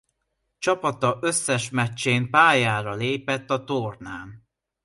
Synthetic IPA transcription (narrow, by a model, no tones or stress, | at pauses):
t͡ʃɒpɒt̪ɒʔøsːɛʃmɛt͡ʃːeːmpaːjaːɾɒleːpɛt̪ːɒt̪ornaːn